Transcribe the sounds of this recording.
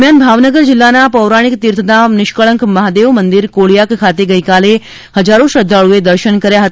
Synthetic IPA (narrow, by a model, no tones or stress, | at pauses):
mjanbʱaʋnəɡəɾd͡ʒɪlːanapəʋɾaɽ̃ikt̪iɾt̪ʰəd̪anɪʃkəɭə̃ŋkməɦad̪eʋmənd̪iɾkoɭijakkʰat̪eɡəjkale | həd͡ʒaɾõʃəd̪ʱːaɭued̪əɾʃənkəɾjaɦət̪